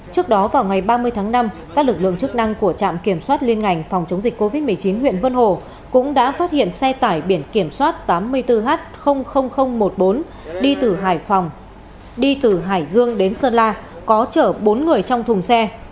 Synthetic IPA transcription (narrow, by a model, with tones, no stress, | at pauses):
t͡ɕɨ˦˥ək̚ɗɔ˨˦vaː˨˩wŋa˨˩jɓaː˧mɨ˧əjt̪ʰaː˨˦ŋna˧mkaː˦˥k̚lɨ˨˩k̚lɨ̰˧˨əŋt͡ɕɨ˦˥k̚na˧ŋku˧˩ət͡ɕa̰ː˧˨mki˧˩əmswaː˦˥t̚li˧ənŋa˨˩jŋ̟fa˨˩wŋ͡mt͡ɕə˨˦wŋ͡mzi˨˩k̟kːo˧vi˦˥t̚mɨ˨˩əjt͡ɕi˨˦nɦwḭ˧˨ənvə˧nho˧˩ | kʊ̰˧˥ŋ͡mɗa̰ː˧˥faː˦˥t̚hḭ˧˨ənsɛ˧t̪aː˧˩jɓi˧˩ənki˧˩əmswaː˦˥t̚t̪aː˨˦mːɨ˧əjt̪ɨ˧ɦaː˦˥t̚xə˧wŋ͡mxə˧wŋ͡mxə˧wŋ͡mmo˨˩t̚ɓo˨˦n | ɗi˧t̪ɨ˨˩ɦaː˧˩jfa˨˩wŋ͡m | ɗi˧t̪ɨ˨˩ɦaː˧˩jzɨ˧əŋɗe˨˦nsəː˧nlaː˧ | kɔ˨˦t͡ɕəː˧˩ɓo˨˦nŋɨ˨˩əjt͡ɕɔ˧wŋ͡mt̪ʰʊ˨˩ŋ͡msɛ˧